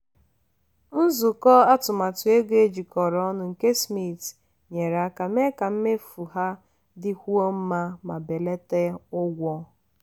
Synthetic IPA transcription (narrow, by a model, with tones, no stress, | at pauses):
n̩˦zʊ˨kɔ˦a˦tʊ˨ma˨tʊ˨e˦ɡe˦d͡ʒi˨kɔ˨ɾɔ˦nʊ˨ŋ̩˨ke˦smi˦˨t | ɲe˨ɾa˨˦ka˨m̩˦e˦ka˨m̩˦me˦fu˨ɦa˦ | dɪ˦kʷu˦o˦m̩˦ma˦ma˨be˨le˦te˦ʊ˦ɡʷɔ˦